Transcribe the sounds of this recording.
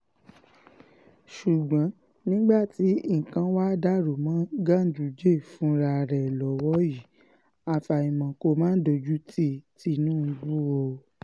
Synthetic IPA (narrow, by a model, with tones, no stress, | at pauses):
ʃu˨ɡ͡bã˨˦ | nĩ˦ɡ͡ba˦˨ti˨˦˨kã˧˦wa˦da˦ɾu˨mãː˨˦ɡa˦˨n̩˨du˨˦d͡ʒe˦˨fũ˨˦ɾa˧˨ɾɛ˨lɔ˨˦wɔ˦ji˦˨ | a˨fa˨ĩ˨mã˨ko˧mãː˦n̩˦do˧d͡ʒu˦ti˦˨ti˧˦nũ˦˧ɡ͡bu˦wo˧